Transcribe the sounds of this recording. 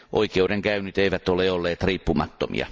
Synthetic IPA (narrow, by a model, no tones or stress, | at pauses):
ʔoikeudeŋkæynyt̪eiʋæt̪oleolːeːt̪riːpːumɑt̪ːomḭɑ̰